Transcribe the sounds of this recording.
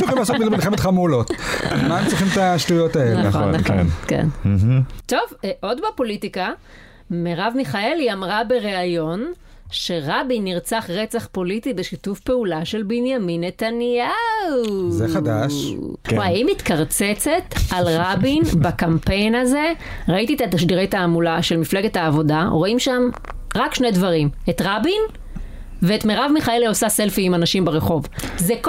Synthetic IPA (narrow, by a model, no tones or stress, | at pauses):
iiblasomilmilχemetχameulotmaemt͡sʁiχimt̪aʃtujotaelenaχoonnːaχo̰nkḛn̩ɦ̩t̪o̞vʔo̞d̪bapo̞litika | meʁavmiχae̞liamʁabeʁeajo̞n | ʃe̞ʁabiniʁt͡saχʁet͡saχpo̞litibeʃitufpe̞ulaʃe̞lbinjaminːet̪anjauzead̪aʃaimit̪kaʁt͡set͡se̞t̪alʁabinbakampejnaze̞ | ʁaitiːt̪at̪aʃdiʁejthaːmulaʃe̞lmifle̞ɡethaːvo̞daʁo̞imʃamʁakʃne̞jdvaʁimet̪ʁabin | veːtmeʁavmiχaelosaselfiːmanaʃimbeʁeχo̞vzek